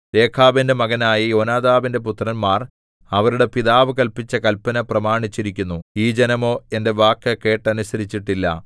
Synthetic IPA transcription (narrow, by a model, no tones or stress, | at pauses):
ɾe̞ːkʰaːbinde̞mɐɣɐnaːjijo̞ːnaːðaːʋinde̞put̪rɐnmaːr | ɐʋɐɾuɽe̞piðaːʋɨkɐlpit͡ɕːɐkɐlpːɐnɐprɐmaːɳit͡ɕːiɾikʲːunːuiːd͡ʑenɐmo̞ːe̞nde̞ʋaːkːɐke̞ːʈːɐnusɐɾit͡ɕːiʈːilːɐ̰